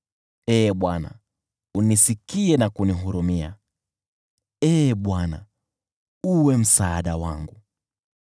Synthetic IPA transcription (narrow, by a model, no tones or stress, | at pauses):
ɛːɓwana̰ | unisikiɛnakuniɦuɾumia̰ | ɛːɓwana̰ | uwɛm̩saːɗawa̰ŋɡu